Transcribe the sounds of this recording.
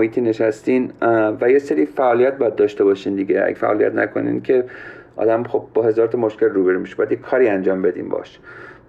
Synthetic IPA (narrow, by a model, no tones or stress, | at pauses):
mohiːt̪ʰiːne̞ʃæst̪iːnvæjeseɾiːfæʔɒːlijæt̪̚bɒjæd̪̚d̪ɒːʃt̪e̞bɒːʃiːnd̪iɡeæ̰ɡefæ̰ʔɒːlijæ̰t̪næ̰kʰo̰nḭncʰe̞ʔɒ̰d̪æmxo̞b̚bɒhe̞zɒːɾt̪ʰɒmoʃke̞lruːbeɾumiʃebɒjæd̪jekʰːɒːɾiːænd͡ʒɒːmbe̞d̪ḭːmbɒ̰ʃ